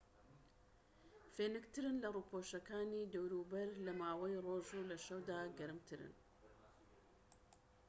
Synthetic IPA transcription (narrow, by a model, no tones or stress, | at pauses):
feːnɨkt̪ʰɨɾɨnlɐruːpʰoʃɐkaːniːd̪ɐwɾuːbɐɾlɐmaːwɐjroːʒulɐʃɐwd̪aːɡɐɾɨmt̪ʰɨɾɨ̰n